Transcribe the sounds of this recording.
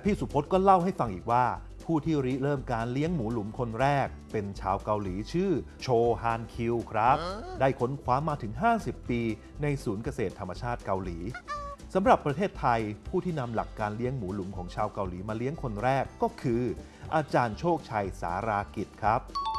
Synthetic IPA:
pʰiː˥˩su˨˩˦pʰo˦˥t̪̚kɔː˥˩la˥˩wha˥˩jfa˧ŋʔiː˨˩k̚waː˥˩ | pʰuː˥˩t̪ʰiː˥˩ɾi˦˥ɾɤː˥˩mkaː˧nli˦˥əŋmuː˩˦lu˨˩˦mkʰo˧nɾɛː˥˩k̚pe˧nt͡ɕʰaː˧wka˧wliː˩˦t͡ɕʰɯː˥˩t͡ɕʰoː˧ɦaː˧nkʰi˧wkʰɾa˦˥p̚daː˥˩jkʰo˦˥nkʰwaː˦˥mːaː˧t̪ʰɯ˩˦ŋɦaː˥˩si˨˩pːiː˧ | na˧jsuː˩˦nka˧seː˨˩t̪ʰːa˧mːa˧t͡ɕʰaː˥˩t̪̚ka˧wliː˩˦sa˩˦mɾa˨˩pːɾa˧t̪ʰeː˥˩t̪ʰːa˧jpʰuː˥˩t̪ʰiː˥˩na˧mla̰˨˩kːaː˧nli˦˥əŋmuː˩˦lu˩˦mkʰɔː˩˦ŋt͡ɕʰaː˧wka˧wliː˩˦maː˧li˦˥əŋkʰo˧nɾɛː˥˩kːɔː˥˩kʰɯː˧ | ʔaː˧t͡ɕaː˧nt͡ɕʰoː˥˩k̚t͡ɕʰa˧jsa̰ː˩˦ɾaː˧ki˨˩t̪̚kʰɾa˦˥p̚

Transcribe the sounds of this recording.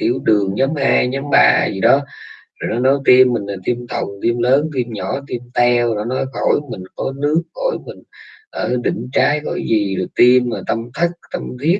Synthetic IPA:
t̪i˧˩əwɗɨ˨˩əŋɲa˨˦mhaː˧ɲa˨˦mɓa̰ː˧˩zi˨˩ɗɔ˨˦ | zo˨˩jnɔ˨˦nɔ˨˦jt̪i˧mːï˨˩ŋlaː˨˩t̪i˧əmt̪ʰə˨˩wŋ͡mt̪i˧əmləː˨˦nt̪i˧mɲɔ˧˩t̪i˧mt̪ɛ˧wnɔ˨˦nɔ˨˦jxo˧˩jmï˨˩ŋ̟kɔ˨˦nɨ˦˥ək̚ːo˧˩jmï˨˩ŋ̟ʔəː˧˩ɗḭ̈˧˨ŋ̟t͡ɕaː˨˦jxo̰˧˩jzi˨˩˨t̪i˧maː˨˩t̪ə˧mt̪ʰə˦˥k̚t̪ə˧mt̪ʰi˦˥ət̚

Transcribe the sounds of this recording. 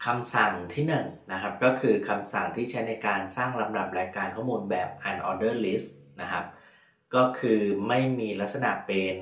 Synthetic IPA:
kʰa˧msa˨˩ŋt̪ʰiː˥˩nɯ˨˩ŋna˦˥kʰa˦˥p̚kɔː˥˩kʰɯː˧kʰa˧msa˨˩ŋt̪ʰiː˥˩t͡ɕʰa˦˥jna˧jkaː˧nsaː˥˩ŋɾa˧mda˨˩p̚ɾaː˧jkaː˧nkʰɔ˥˩muː˧nbɛː˨˩p̚ʔa˧nʔɔː˧dɤː˥˩li˦˥st̚na˦˥kʰa˦˥p̚ | kɔː˥˩kʰɯː˧ma˥˩jmiː˧la˦˥t̪̚sa˧na̰˨˩ʔpe˧n

